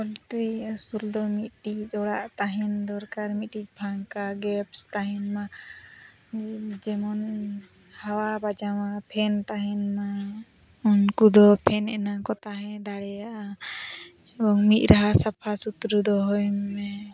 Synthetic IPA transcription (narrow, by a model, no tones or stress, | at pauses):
ɔlt̪ɾisuld̪ɔmit̪̚ʈiɔɽaʔt̪aɦɛnd̪ɔɾkaɾmit̪̚ˀʈic̚ˀbʰʱaŋkaɡɛpst̪aɦɛnma | d͡ʒɛmɔn | hawabad͡ʒamapʰɛnt̪aɦɛnma | ɔnkud̪ɔpʰɛnɛnakɔt̪aɦɛ̃d̪aɽɛjaʔa | bɔŋmit̪̚ˀɾʔaɦasapʰasut̪ɾud̪ɔɦɔjmɛ